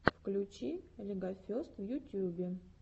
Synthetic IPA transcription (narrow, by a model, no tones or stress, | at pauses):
fklʲut͡ɕilʲɪɡafʲost̪vjut̪ʲjubʲɪ